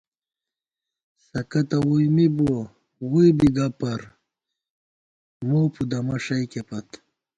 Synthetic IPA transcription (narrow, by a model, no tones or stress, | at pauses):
sɐkɐt̪ɐwujmibo | wubiɡɐpɐɾ | moːpud̪ɐmɐʂɐjkepɐt̪